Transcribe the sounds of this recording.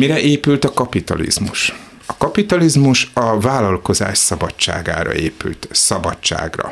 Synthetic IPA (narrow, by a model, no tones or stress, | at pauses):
miɾɛʔeːpylt̪ɒkɒpit̪ɒ̰lḭzmuʃ | ɒkɒpit̪ɒlizmuʃɒvaːlːɒlko̞za̰ːʃsɒbɒt͡ʃːa̰ːɡa̰ːɾɒ̰eːpy̰lt̪sɒbɒt͡ʃːa̰ːɡrɒ̰